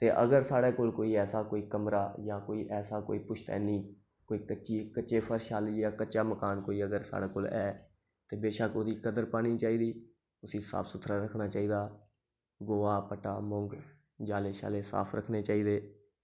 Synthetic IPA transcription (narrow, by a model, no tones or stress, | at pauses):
t̪eːʔəɡəɾsaːɽeːkoːlkoːiːɛːsaːkoːiːkəmɾaːjãːkoːiːʔɛːsaːko̰ːiːpʊʃʰt̪ɛ̰ːniː | koːiːkət͡ʃiːkəːt͡ʃeːpʰəɾʃaːliːjãːkəːt͡ʃaːməkaːnkoːiːəɡəɾsa̰ːɽeːkoːlɛː | t̪eːbeːʃəkoːd̪iːkəd̪əɾpaːniːt͡ʃaːiːd̪iː | ʊsiːsa̰ːpʰsʊt̪ʰɾaːɾəkʰnaːt͡ʃaːiːd̪aː | ɡoːaːpəʈaːmɔ̃ŋɡ | d͡ʒaːleːʃa̰ːleːsa̰ːpʰɾəkʰneːt͡ʃaːiːd̪eː